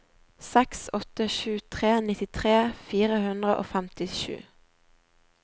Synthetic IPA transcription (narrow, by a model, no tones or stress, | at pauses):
sɛksɔt̪əʃʉːt̪ʰʁeːnɪt̪ɪt̪ʰʁeːfiːʁəhʉnd̪ʁəʔo̰ːfæmt̪ɪʃʉ̰ː